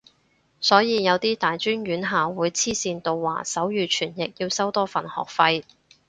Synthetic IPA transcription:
sɔː˨˥jiː˨˧jɐ˨˧wt̪iː˥t̪aː˨jt͡ʃyː˥nɥyː˨˥nɦaː˨wuː˨˥jt͡sʰiː˥siː˧nt̪o˧wːa̰ː˨˩sɐ˨˥wjyː˨t͡ʃʰyː˨˩njɪ˨k̚jiː˧wsɐ˥wt̪ɔː˥fɐ˨˩nhɔ̰ː˨˩k̚fɐ˧j

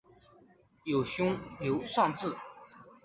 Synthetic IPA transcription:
jo˨˩ʊɕjʊ˥ŋljo˧˥ʊʂɑ˥˧ŋt͡sɹ̩˥˩

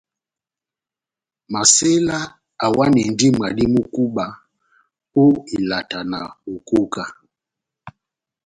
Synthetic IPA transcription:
ma˨se˦la˦ | a˨wa˦ni˨n˨di˦m˨a˨di˦mu˦ku˦ɓa˨ | o˦i˨la˨ta˨na˨u˨ko˦ka˨

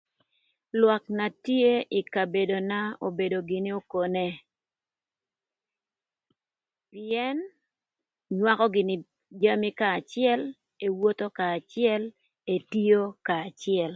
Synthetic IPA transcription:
lwa˨kna˨tje˦ʔi˨ka˨be˨do˨na˦o˨be˨do˨ɡɪ˨nɪ˦o˦ko˨ne˦ | piɛ˦n | ɲwa˦kɔ˦ɡɪ˨nɪ˦ | d͡ʒa˦mi˦kaː˨t͡ʃɪɛ˦l | e˨wo˦t̪o˦kaː˨t͡ʃɪɛ˦l | e˨ti˦jo˦kaː˨t͡ʃɪɛ˨l

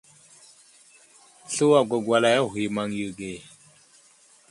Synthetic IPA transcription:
ɬu˦wa˨ɡʷa˨ɡwa˨la˨ja˦˨ɦi˨ma˨ŋju˨ɡe˨

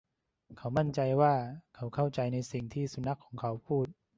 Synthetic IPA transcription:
kʰa˦˥wma˥˩nt͡ɕa˧jwaː˥˩kʰa˦˥wkʰa˥˩wt͡ɕa˧jna˧jsi˨˩ŋt̪ʰiː˥˩su˨˧˦na˦˥kʰːɔː˩˦ŋkʰa˦˥wpʰuː˥˩t̪̚

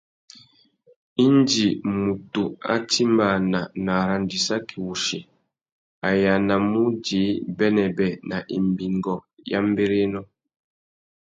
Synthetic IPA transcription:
i˦nd͡ʒi˨mu˨tu˨a̰˦ti˦mba˨na˨na˨ɾa˨ndi˨sa˦kʰi˨wu˨ʃi˨ | a˨ja˨na˨mu˦d͡ʒi˨˦bɛ˦nɛ˨bɛ˨na˨ʔḭ˨m˨bi˨ŋɡɔ˨ja̰˦m˦be˦ɾe˦nɔ˦

